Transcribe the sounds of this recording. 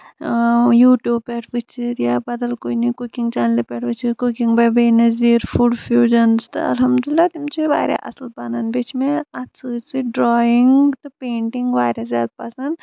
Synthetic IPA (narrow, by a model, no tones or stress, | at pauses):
juːʈjuːbpɛːʈʰbit͡ʃʰiɾjabɐd̪ɐlkoːinɐkukiŋɡt͡ʃaːnlepɛːʈʰʋɨt͡ʃʰikukĩŋɡbɐbeːnɐziːɾfʰuɖfjuːd͡ʒɐnzt̪ɨ̰ɐ̰lɦɐmd̪ulɪlːaːt̪imt͡ʃiba̰ːɾʲa̰ʔɐ̰slpananbit͡ʃmẽɐsɨt͡ʃiɖɾɔːiŋɡt̪upeːɳʈiŋɡʋaːɾɐzʲaːd̪̚pɐsɐnd̪